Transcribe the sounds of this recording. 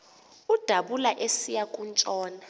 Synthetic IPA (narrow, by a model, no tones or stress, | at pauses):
ud̥ʱaɓulaʔesijakʼunt͡ʃʼɔːna